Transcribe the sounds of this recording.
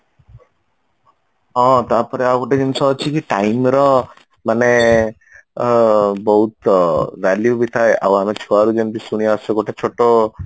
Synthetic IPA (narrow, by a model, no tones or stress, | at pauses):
ɔ̃t̪apɔɾeaɡoʈed͡ʒinsɔɦt͡ʃʰikiʈajmɾɔ | mane | bɔɦut̪ʋɛljubit̪ʰaeʔa̰wamet͡ʃʰuaɾud͡ʒenb̪isuɽ̃iaaseɡoʈʰet͡ʃʰoʈo